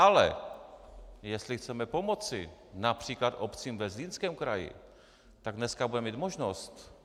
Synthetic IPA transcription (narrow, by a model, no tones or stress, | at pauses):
ʔalɛ̰ | jɛst̪lɪxt͡sɛmɛpo̞mo̞t͡sɪnapr̝̥iːklat̪ʔopt͡siːmvɛzliːnskɛːmkɾajɪ̰ | t̪aɡdnɛskabudɛmiːt̪moʒnost̪